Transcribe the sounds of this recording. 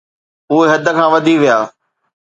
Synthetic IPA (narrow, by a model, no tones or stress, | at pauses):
puːeɦɐd̪ʱəkʰãːʋɐd̪ʱiʋijaː